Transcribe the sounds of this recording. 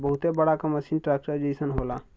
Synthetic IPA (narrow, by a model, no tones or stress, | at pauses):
bəɦʊt̪ebəɽakaməsiːnʈɾaːk̚ʈəd͡ʒiːsənɦoːlaː